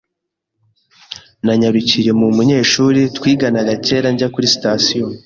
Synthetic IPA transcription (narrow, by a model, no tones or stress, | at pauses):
naɲaɾucije̞mumuɲe̞ːʃuːɾitwiːɡanaɡace̞ːɾaɲɟakuɾisi̥tasijo